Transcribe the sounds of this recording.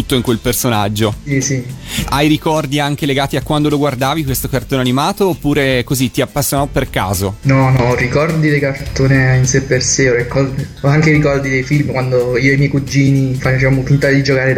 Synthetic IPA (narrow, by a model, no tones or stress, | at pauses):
ut̪ːoiŋkwelpersonad͡ʒːosisiajɾikɔrd̪iaŋk̟eleɡaːt̪iakːwand̪oloɡward̪aːvikwest̪okart̪oːnanimaːt̪oːpːuːɾekozit̪iapːasːjonɔperka̰ːzonɔnɔrikɔrdd̪id̪ekart̪oːneinsepːerseɔrikɔd̪ | aŋkeɾikɔrd̪id̪ejfilmkwand̪oiːdejmɛjkud͡ʒːiːnifat͡ʃamofint̪ad̪id͡ʒokaːɾe